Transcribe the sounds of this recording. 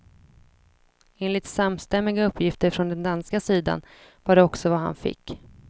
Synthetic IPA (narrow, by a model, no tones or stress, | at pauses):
eːnlɪt̪samst̪ɛmːɪɡaɵpʰːjɪft̪əɾfɾɔnd̪ɛnd̪anskasiːd̪a̰n | vaɖɛɔksɔvaɦa̰nfɪ̰kː